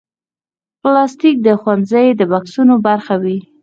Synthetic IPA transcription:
plɑst̪ik̚d̪əxwanzəjd̪əbɑksunobaɾxawi

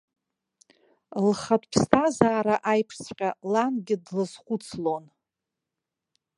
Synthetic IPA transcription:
lχatʰʼpʰstʰazaːɾaʔajpʰʂt͡sʰqʲalanɡʲɪdlɨzχʷʊt͡sʰlo̞n

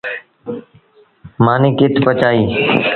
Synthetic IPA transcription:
mãːnĩːkɪt̪ʰpət͡ʃaːiː

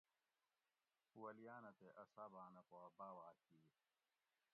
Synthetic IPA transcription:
wɐlijaːnɐt̪eʔɐsaːbaːnɐkoɐbaːwaːki

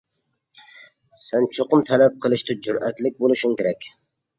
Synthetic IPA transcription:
sant͡ʃʰoqʊmt̪ʰalap̚qʰəlˠɪʃt̪ʰɪd͡ʒʊɾæt̪lɪk̚ʲbolˠɨʃʊŋkʲeɾækʲ

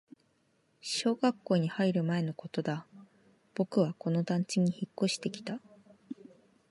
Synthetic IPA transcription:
ɕo̞ːɡakːo̞ːɲ̟ihaiɾɯ̟mae̞no̞ko̞t̪o̞d̪a | b̥o̞kɯ̟β̞ako̞no̞d̪ãɲ̟t͡ɕiɲ̟içikːo̞ɕi̥t̪e̞kʲi̥t̪a

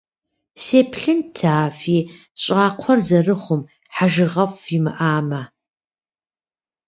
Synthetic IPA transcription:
seːpʰɬɨntʰaːfiː | ɕʼɑːqʷʰɔrzɐrɨχʷʊm | ħaʒɪʁɐfʷimɨ̰ʔaːmɐ

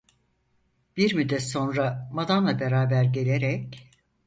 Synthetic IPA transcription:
b̥iɾmyd̪ɛso̞nɾamad̪anlˠabe̞ɾaːbæɾɟe̞lʲeɾɛc̚

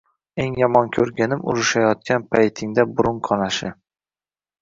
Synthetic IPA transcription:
e̞ŋjɒmɒnkʲʰɵɾɡʲanɪmʔʊ̰ɾɪʃajɒt̪̚kʲʰanpʰajt̪ʰɪŋd̪abʊɾʊŋqʰɒnaʃɪ

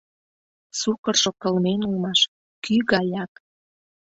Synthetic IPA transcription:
sukə̆rʃokə̆lmenulmɑʃ | kyɣɑjɑk

